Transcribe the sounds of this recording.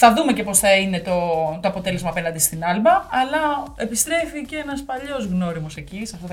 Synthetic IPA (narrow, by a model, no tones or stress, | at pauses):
θɐðume̞ce̞po̞sθɐine̞t̪o̞t̪o̞ɐpo̞t̪e̞le̞zmɐːpe̞nɐnd̪ist̪inɐlbɐːlɐe̞pist̪ɾe̞ficeenɐspɐʎo̞zɣno̞ɾimo̞se̞cisɐft̪ɐt̪ɐ